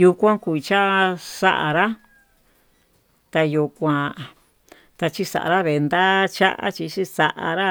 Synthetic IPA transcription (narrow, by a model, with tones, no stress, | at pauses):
ju˧kʷã˦ku˧i˧t͡ʃa˦ʔsa̰˦ʔa̰˨ɾa˦ | t̪a˧ju˧kʷã˧ | t̪a˧t͡ʃi˦sa̰˨ʔa̰˨ɾa˦βe˨˧nd̪a˦t͡ʃa˦ʔa̰˦t͡ʃi˧t͡ʃi˦sa˧ʔa˧ɾa˦